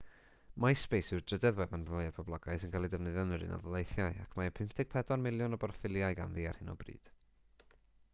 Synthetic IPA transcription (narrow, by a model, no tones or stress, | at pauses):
majspejsɪwdrədɛðwɛbanoɨəpʰɔblˠɔɡaɨsɪnkʰalˠidəvnəðənəɾɨ̰nɔ̰ðɔlˠejθjaɨakʰmaəpʰɪmpʰtʰɪɡ̥̚pʰɛdɔnmɪlˠjɔnɔbɔrfɪlˠjaɨɡa̰nðiːa̰r̥hɪnɔ̰brḭːd̥